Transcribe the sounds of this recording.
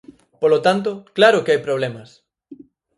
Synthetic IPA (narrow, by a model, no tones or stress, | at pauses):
polot̪ant̪̬ʊklaɾʊkeajpɾoβ̞lɛmɐs